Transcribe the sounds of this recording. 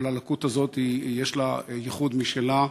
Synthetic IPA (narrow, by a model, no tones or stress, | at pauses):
lalakut̪azo̞t̪ijeʃlajeχud̪miʃela